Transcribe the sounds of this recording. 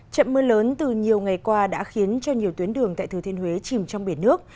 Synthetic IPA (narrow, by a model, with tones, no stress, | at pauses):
t͡ɕə̰˧˨nməː˧ləː˨˦nt̪ɨ˨˩ɲi˨˩əwŋa˨˩jkwaː˧ɗa̰ː˧˥xi˨˦ənt͡ɕɔ˧ɲi˨˩əwt̪wi˨˦ənɗɨ˨˩əŋt̪a̰ː˧˨jt̪ɨ˧˩i˧nhwe˨˦t͡ɕi˨˩mt͡ɕɔ˧ŋ͡mɓi˧˩ənːɨ˦˥ək̚